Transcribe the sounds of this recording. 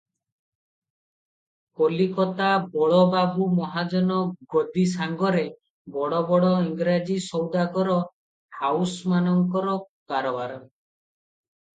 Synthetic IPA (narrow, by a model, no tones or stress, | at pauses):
kolikɔt̪abɔɭɔbabumɔɦad͡ʒɔnɔɡɔd̪isaŋɡɔɾe | bɔɽɔbɔɽɔiŋɡɾad͡ʒisɔwd̪aɡɔɾɔ | hawsmanɔŋkɔɾɔ | kaɾɔbaɾɔ